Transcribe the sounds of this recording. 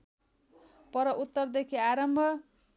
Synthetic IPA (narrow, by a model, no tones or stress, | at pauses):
pʌɾʌʔut̪ːʌrd̪ekʰiaɾʌmbʱʌ